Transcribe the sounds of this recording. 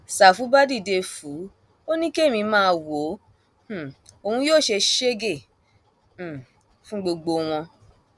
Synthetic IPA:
sa˨fu˨˦ba˦di˦˨de˧fu˨˦ | o˦nĩ˦ke˦˨mĩ˧mãː˦˧wõ˨˦˨ | o˨˧hũ˧joː˦˨ʃe˧ʃe˦ɡe˦˨˦ | fũ˦ɡ͡bo˧ɡ͡bo˧w̃ɔ̃˧

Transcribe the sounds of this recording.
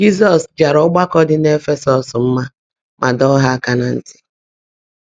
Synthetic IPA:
d͡ʒi˦s̬ɔ˨sd͡ʒa˨ɾɔ˦ɡ͡ba˦kɔ˦dɪ˦n˦e˦fe˦sɔ˨sm̩˦ma˦ | mʔa˨dɔ˦ɦa˦a˦ka˦na˨n̩˦tɪ̥˦

